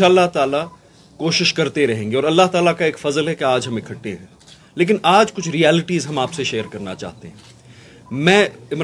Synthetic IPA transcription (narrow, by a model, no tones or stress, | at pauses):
aːlːaɦt̪aːla | koːʃɪʃkɐɾt̪eɾɐɦẽːŋɡeɔːɾɐlːaɦt̪aːlakaeːkfɐzəlɦɛkeaːd͡ʒɦɐmɪkʰəʈːeɦɛ̃ː | leːk̬ɪnaːd͡ʒkʊt͡ʃʰɾiɛːlɪʈizɦɐmaːpseʃeːəɾkɐɾna̰t͡ʃa̰ːɦt̪eɦɛ̃ː | mɛ̃ːɪmɾ